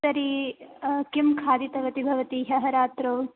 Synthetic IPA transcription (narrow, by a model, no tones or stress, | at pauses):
ɐɾi | kimkʰaːd̪it̪ɐʋɐt̪ibʱɐʋɐt̪iɦɐɦɐɾaːt̪ɾɐː